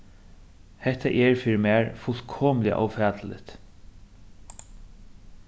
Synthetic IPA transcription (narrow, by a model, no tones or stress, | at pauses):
hɛht̪aʔɛɹfiːɾɪmæːɹfʊl̥kʰɔːmlɪa̰ʔa̰wfɛːt̪lɪ̰t̪